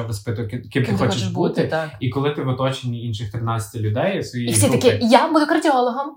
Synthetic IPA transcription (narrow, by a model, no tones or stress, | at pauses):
ɔʋɐspɪt̪ʊjkɪkʲimt̪ɪxɔxɔt͡ʃɪʃbut̪ɪakikɔlˠɪt̪ɪʋɔt̪ɔt͡ʃenʲiinʃɪxt̪ɾɪnat͡sʲɐ̥tʲɪlʲʊd̪ɛjsʋɔjiissit̪ɐkʲɪjabʊkɐrdʲiɔlˠɔɦɔm